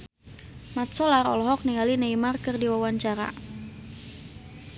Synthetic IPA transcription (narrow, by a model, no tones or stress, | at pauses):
mat̪̚sɔlaɾɔ̰lɔɦɔk̚niŋalinaimarkɨrdiwawaɲt͡ʃaɾa̰